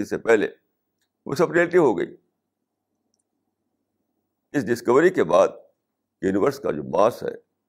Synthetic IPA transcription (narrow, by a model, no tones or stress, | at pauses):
ɪsepɛɦlḛ | ʋo̰sɐbɾielʈɪʋɦoɡɐ̰ḭː | ɪsɖɪskəʋɾikebaːd̪̚ | jjuːnɪʋəɾska̰d͡ʒo̰ːmaːsɦɛ̰ː